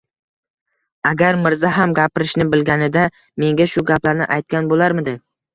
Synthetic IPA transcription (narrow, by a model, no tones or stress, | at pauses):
aɡʲaɾmɪɾzaɦamɡʲapɪɾɪʃnɪbɪlɡʲanɪd̪a | me̞ŋɡʲaʃʊɡʲaplaɾnɪ̰ʔajt̪̚kʲanbolaɾmɪd̪ɪ